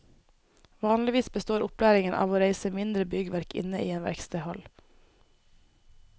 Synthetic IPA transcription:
ʋɑːnlɪʋiːsbəst̪oːɾʊplæːɾɪŋənʔɑ̰ːʋoːɾeɪsəmɪnd̪ɾəbʏɡəʋæɾkʰɪ̰nəʔiːeːnʋæ̰ɾkst̪əhɔl

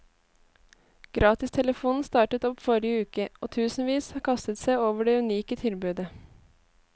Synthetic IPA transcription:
ɡ̥ɾʔɑːt̪ɪst̪ʰɛləfuːnn̩st̪ɑːʈət̪ɔpfɔɾɪəʉːkəo̰ːt̪ʰʉːsn̩ʋiːshɑːkʰɑst̪ət̪sæɪoːʋəɖeːʉniːkət̪ʰɪlbʉːd̪ə

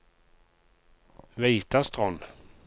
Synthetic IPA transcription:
viːt̪ast̪ʁɔn

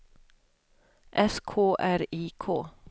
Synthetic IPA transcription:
ʔɛskʰoːʔæɾiːkʰoː

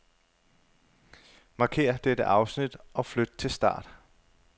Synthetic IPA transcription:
mɑ̈ːkʰe̝̰ːɐd̥ed̥əʔɑ̈ʊsnid̥ʔɒ̽flød̥ət͡sʰe̝lsd̥ɑ̰̈ːd̥

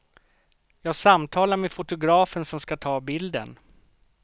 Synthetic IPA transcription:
jɑːɡsamt̪ʰɑːlaɾmefʊt̪ʊɡɾɑːfənsɔmskat̪ʰɑːbɪld̪ə̰n

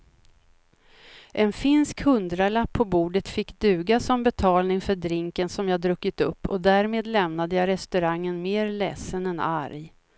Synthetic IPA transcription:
ʔɛnfɪnskhɵnd̪ɾalapʰːɔbuːɖət̪fɪkːd̪ʉ̟ːɡasɔmbɛt̪ʰɑːlnɪŋfœɖɾɪŋkənsɔmjɑːd̪ɾɵkːɪt̪ɵpːɔd̪æːɾmeːd̪lɛmnad̪əjɑɾɛst̪ɵɾaŋːənmeːɾlɛsːənɛna̰ɾj

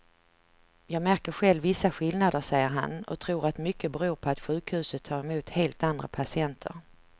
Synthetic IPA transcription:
jɑːɡmæɾkəɾɧɛlːvɪsːaɧɪlnad̪əʂɛjːəɾɦa̰nɔ̰t̪ʰɾuːɾat̪mʏkʰːəbɛɾuːɾpʰɔat̪ɧʉ̟ːkhʉ̟ːsət̪ʰːɑːɾɛmuːt̪heːlt̪and̪ɾa̰pʰasɪɛnt̪ʰə̰ɾ

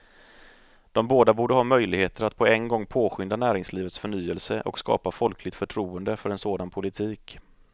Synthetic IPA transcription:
d̪̥ɔmboːd̪abuːɖəɦɑːmœjlɪɡheːt̪əɾat̪̚pʰɔɛnɡɔŋːpʰoːɧʏnd̪anæːɾɪŋsliːvət̪sfœɳyːəlsəʔɔ̰kskɑ̰ːpafɔlklɪɡ̚t̪fœʈʰɾuːənd̪əfœɾɛnsoːd̪anpʰʊlɪt̪ʰiːk

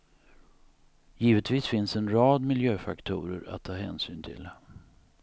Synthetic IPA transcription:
jiːvət̪viːsfɪnsɛnɾɑːd̪mɪljøːfakt̪ʰṵːɾə̰ɾa̰t̪ʰːɑːɦɛ̰ːnsyːnt̪ʰɪ̰l

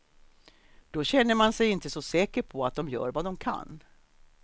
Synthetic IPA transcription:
d̪̥ɔɕɛnːəɾmansɛjɪnt̪əsɔsɛːkəɾpʰɔat̪̚d̪ɔmjœ̰ːɾvad̪ɔmkʰa̰nː

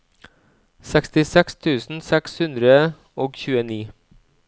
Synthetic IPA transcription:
sɛkst̪ɪsɛkst̪ʰʉːsn̩sɛkshʉnd̪ɾə | oːɡçʉːəniː

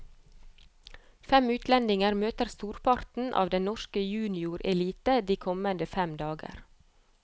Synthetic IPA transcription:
fɛmʉːt̪lɛnd̪ɪŋəɾmøːt̪əɾst̪uːɾpʰɑɾt̪n̩ʔɑ̰ːʋd̪ɛnnɔʃkəjʉːnɪʊɾɛliːt̪əd̪iːkʰɔmənd̪əfɛmd̪ɑːɡə̰ɾ

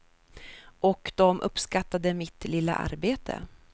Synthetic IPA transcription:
ʔɔkd̪ɔmʔɵ̰pːskat̪ːad̪əmɪt̪lɪlːa̰ʔa̰ɾbeːt̪ʰə̰

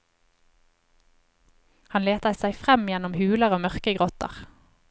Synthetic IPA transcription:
hɑnleːt̪əsæɪfʁɛmjɛnʊmhʉːləʁoːmœʁkəɡʁɔt̪ə̰ʁ

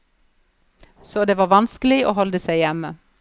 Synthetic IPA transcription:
soːd̪eːʋɑːʋɑnsklɪo̰ːhɔld̪əsæɪjæmə

